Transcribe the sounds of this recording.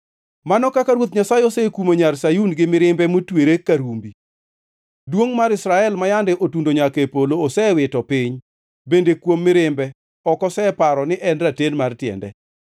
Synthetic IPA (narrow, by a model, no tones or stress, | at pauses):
manɔkakaɾwot̪̬ɲasajɪɔsɛkumoɲarsajunɡɪmɪɾɪmbɛmotweɾekaɾumbi | dwoŋmaɾɪsɾaɛlmajandɛʔotundoɲakepoloːsɛwɪtɔpɪɲ | bendekwomːɪɾɪmbɛ | ɔkɔsɛpaɾɔnɪʔɛnratenmartjɛ̰ndɛ̰